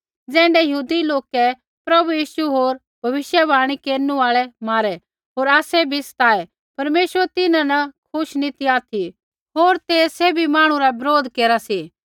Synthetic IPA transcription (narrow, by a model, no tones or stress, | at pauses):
d͡zɛ̃ːɳɖɛjɐɦuːd̪iloːkɛ | pɾɐbujiːʃuɦoːɾ | bʱɐʋɪʃjɛbʱaːɽ̃ikeːɾnuaːɭɛmaːɾɛ | ɦoːɾaːsɛbʱisɐ̥t̪aːɛ | pɐɾmeːʃəɾɛt̪ɪnãnɐkʰʊʃnĩt̪iaːt̪ʰi | ɦoːɾt̪eːeːbʱimãːɽ̃ũɾabɪɾoːd̪keːɾasiː